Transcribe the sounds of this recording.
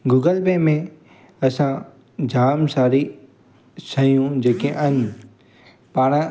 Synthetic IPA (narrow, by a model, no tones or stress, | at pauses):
ɡuːɡəlbeːmẽ | ɐsã | d͡ʑʱaːmsaːɾi | sɐjũd͡ʑeːkẽʔɐn | paːɽ̃a